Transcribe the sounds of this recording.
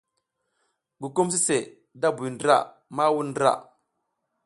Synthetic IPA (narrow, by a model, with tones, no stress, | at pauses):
ɡu˨ku˦ms̬i˦se˨ | da˦bu˨jndɾa̰˦ | ma˦wu˦ndɾa̰˦˨